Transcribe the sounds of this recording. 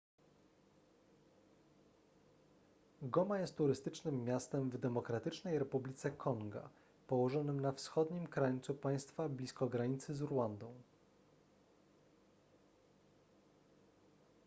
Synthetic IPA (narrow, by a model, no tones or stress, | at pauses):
ɡɔmajɛst̪ːuɾɘst̪ɘt͡ʂnɘmːʲjast̪ɛmvd̪ɛmɔkɾat̪ɘt͡ʂnɛjɾɛpublʲit̪sɛkʰɔŋɡa̰ | pɔwɔʐɔnɘmnafsxɔd̪ɲimkɾaɲt̪supaj̃st̪fablʲiskɔɡɾaɲit̪sɘzuɾwand̪ɔ̃w̃